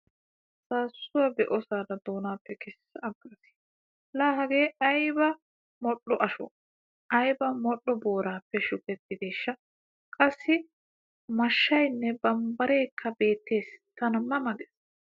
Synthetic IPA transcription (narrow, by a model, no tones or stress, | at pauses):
saːsːʊwɐbɛʔɔsaːd̪ɐd̪oːnaːpːɛkɪsɐɐɡɾɐsɪ̥ | laːɦɐɡe̞ːɐjbɐ | mɔɗːɔʔɐʃɔ̰ | ʔɐjbɐmɔɗːɔbo̞ːɾaːpːɛʃʊkʼɛt̪ːɪd̪eːʃːɐ | kʼɐsːɪ | mɐʃːɐjnːɛbɐmbɐɾe̞ːkʰːɐbe̞ːt̪ːe̞ːst̪ɐnɐmːɐmɐɡɛs